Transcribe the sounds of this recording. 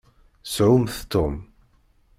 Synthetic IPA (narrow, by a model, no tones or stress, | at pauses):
sʕʊmθt̪ːʊm